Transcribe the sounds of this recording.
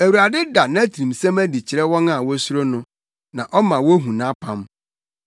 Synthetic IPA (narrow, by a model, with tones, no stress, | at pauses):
æ˨wu˨ɾa˨dɪ˦da˨nã˦tʰĩ˨msæ̃˦mæ˦di˨t͡ɕʰɪ˨ɾɛ˦wɔ̃˦na˦˨wɔ˦sʊ˦ɾo˦nʊ̃˦ | nã˨ʔɔ˦mã˨wɔ˦ɦũ˨nã˦pʰã˦m